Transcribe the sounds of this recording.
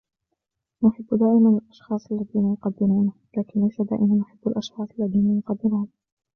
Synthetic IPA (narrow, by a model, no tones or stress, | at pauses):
nʊħɪbːd̪aːʔɪmanalʔɑʃxɑːsˤʔalːaðiːnajʊqɑd̪ːɪɾuːn | laːkɪnlajsad̪a̰ːʔɪmanːʊħɪbːalʔɑʃxɑːsˤʔalːaðiːnajʊqɑd̪ːɪɾuːn